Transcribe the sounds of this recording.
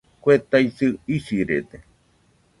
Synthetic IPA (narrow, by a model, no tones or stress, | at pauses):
kʷet̪ajsɨisiɾḛt̪e